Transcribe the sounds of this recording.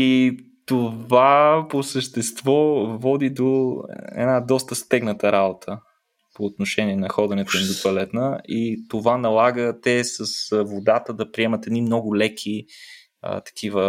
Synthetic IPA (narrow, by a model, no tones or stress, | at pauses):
i | t̪ovaposəʃt̪ɛst̪vɔvɔd̪id̪oɛ̰d̪nad̪ɔst̪əst̪ɛɡnət̪əɾabot̪ʰə | poːt̪noʃɛnʲiɛnɐxɔd̪ɐnɛt̪oimd̪opɐlɛt̪nəit̪ovanɐlˠaɡət̪ɛsəsvod̪at̪əd̪ɐpɾiɛmɐt̪ɛd̪nimnɔɡʊlɛkʰi | ə̰t̪ɐ̥kʰivə